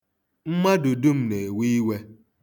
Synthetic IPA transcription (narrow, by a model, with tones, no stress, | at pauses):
m̩˦ma˦du˨du˦m̩˦˨ne˨wi˦i˦we˦